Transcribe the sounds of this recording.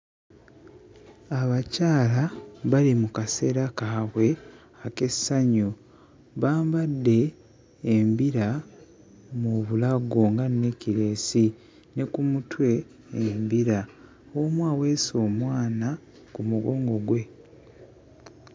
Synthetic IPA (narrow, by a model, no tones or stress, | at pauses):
aβacaːlaβalimukase̞ɾakaːβwe̞ | ake̞saɲu | βaːmbadːe̞ː | mbiɾa | muβulaɡoŋɡanːeciɾe̞ːsi | ne̞kumutwe̞ː | mbiɾa | omwaːwe̞so̞ːmwaːna | kumuɡo̞ːŋɡo̞ɡwe̞